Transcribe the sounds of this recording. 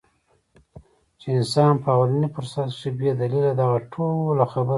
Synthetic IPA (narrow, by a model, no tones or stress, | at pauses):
t͡ʃeɪnsɑnpəawalanipʊɾsat̪ʂibjed̪alilad̪aɣaʈʰollaxabə